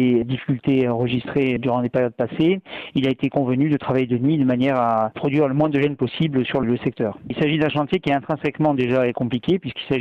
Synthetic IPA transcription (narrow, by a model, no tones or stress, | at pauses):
ed̪ifi̥kʲylt̪eɑ̃ʁəʒist̪χed̪yʁɑ̃d̪epeʁjɔd̪̚paseilaet̪ekɔ̃vənyd̪ət̪χavajed̪ənɥid̪əmanjɛʁapχɔd̪ɥiʁləmwɛ̃d̪əʒɛnpɔsiblsyʁləsɛk̚t̪œːʁilsaʒid̪ɛ̃ʃɑ̃t̪jekʲiɛɛ̃t̪χɛ̃sɛkmɑ̃d̪eʒaɛkɔ̃plikʲepɥiskilsaʒi